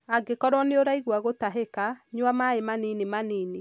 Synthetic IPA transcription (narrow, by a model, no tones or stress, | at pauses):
aɡekɔɾwɔneoɾaiɣwaɣotaɦekaɲwamaemaninemaniːne